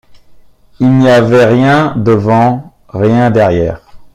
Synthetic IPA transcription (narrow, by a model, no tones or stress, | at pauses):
ilniavɛʁjɛ̃d̪əvɑ̃ | ʁjɛ̃d̪ɛʁjɛːʁ